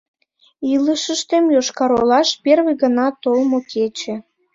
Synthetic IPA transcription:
iləʃəʃt̪emjoʃkɑɾolɑʃperβeɣənɑt̪olmokʰet͡ɕĕ

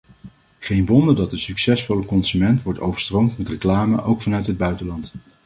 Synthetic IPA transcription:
χejnʋɔndəɹdɑt̚dəsyksɛsfɔləkɔnzymɛntʋɔɹto̰wvəɹstrowmtmɛtrəklaːmə̰ʔowkfɑnœɥtɦəd̚bœɥtəlɑnt

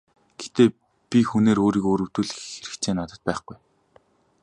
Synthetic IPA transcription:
ɡ̥et̪eː | pʲixuneːɾoːɾiːkoːɾɵw̥t̪ŭɮxeɾɘ̆kt͡sʰeːnat̪ə̆t̪̚pæːχɡuj

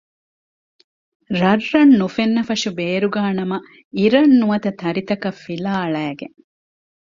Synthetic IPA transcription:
ɾɐrːɐnːufenːɐfɐʂubeːɾuɡaːnɐmɐ | iɾɐnːuɐt̪ɐt̪ɐɾit̪ɐkɐfːilaːɭæːɡeŋ

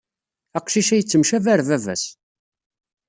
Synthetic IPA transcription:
æqʃiʃæjət͡sːəmʃævæɾvævæ̰s

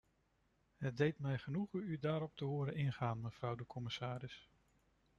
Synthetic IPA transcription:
ɦət̚dejtmɛjχənuχəydaːɾɔp̚təɦʊːɾənɪnχaːnməv̥rʌwdəkɔmɪsaːɾɪs

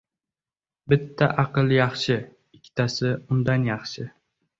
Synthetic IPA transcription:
bɪt̪ʰːaʔɑqɨlˠjɑχʃɪ | ɪkʲʰːɪ̥t̪ʰasɪʊnd̪anjɑχʃɪ

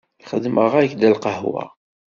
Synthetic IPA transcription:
iχəd̪məʁæjçd̪ælqəhwæ̰

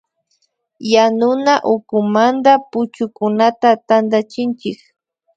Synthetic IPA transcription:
janʊnaʔʊkʊmand̪apʊt͡ʃʊkʊnat̪at̪and̪at͡ʃɪnt͡ʃɪk

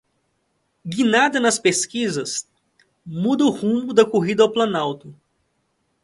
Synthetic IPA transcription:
ɡinad̪ɐnɐspeskizɐs | mud̪ɐʊhũmʊd̪ɐkoɦid̪ɐawplɐ̃nawt̪ʊ

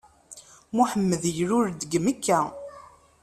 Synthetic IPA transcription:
muħəmːəðjəɾʊɾd̪əɡməkːæ

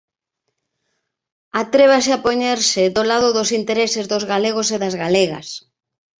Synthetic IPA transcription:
at̪ɾeβ̞asɪapoɲeɾsɪðolaðʊðosint̪eɾesɪzðozɣaleɣ̞oseðazɣaleɣɐ̰s

